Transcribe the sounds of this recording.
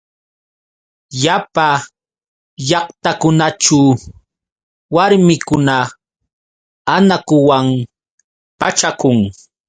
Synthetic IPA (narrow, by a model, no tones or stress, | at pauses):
japa | ʎɑχt̪akʊnaʈ͡ʂa | waɾmɪkʊna | anakʊwam | pat͡ʃakʊŋ